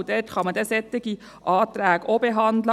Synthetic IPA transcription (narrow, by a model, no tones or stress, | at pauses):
d̪ɛtχɑmɑd̪ɛsɛt̪ːɪɡ̥i | ʔɑːt̪ɾæːɡ̥oːbeɦɑnd̪lə